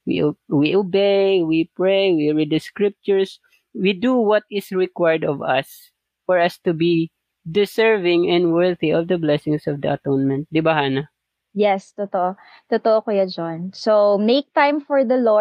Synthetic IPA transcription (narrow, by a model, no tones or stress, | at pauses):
wḭwiʔobejwipɹejwiɹid̪̚dɐskɹɪp̚t͡ʃʊɹs | wid̪uwʌt̪ɪsɹɪkwajəd̪ɔvɐs | fɔɹɐst̪ubi | d̪ɪsɛɹvɪ̃ŋɛ̃nd̪wɛɹθiʔɔvd̪ɐblɛsɪ̃ŋsɔvd̪ɐ̰ɐt̪onmɛ̃nt̪̚d̪ɪbɐhaːnɐ | jɛst̪ot̪oʔo | t̪ɔt̪oʔokɐjad͡ʒonsomejk̚t̪ãjmfɔɹd̪ɐlɔ